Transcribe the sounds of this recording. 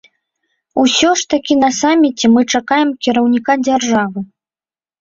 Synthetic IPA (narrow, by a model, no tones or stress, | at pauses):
usʲɔʂt̪akʲinɐsamʲːit͡sʲɛmɨt͡ʂakajɛmkʲiɾɐwnʲikad͡zʲarʐavɨ